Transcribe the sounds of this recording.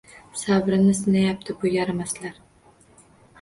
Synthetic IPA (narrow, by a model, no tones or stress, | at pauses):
savɾɪnɪsɪnajap̚t̪ʰɪbʊjaɾamaslaɾ